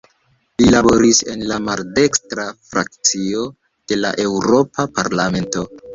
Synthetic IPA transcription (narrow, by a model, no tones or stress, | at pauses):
lilabo̞ɾise̞̰nlamalde̞kstɾafɾak̚t͡sio̞ | d̥e̞la̰ʔe̞wɾo̞pʰapaɾlame̞nto̞